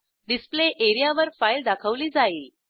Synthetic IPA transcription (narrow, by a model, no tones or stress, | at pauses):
ɖispleʔeɾijaʋəɾfaild̪akʰəʋliːd͡zaiːl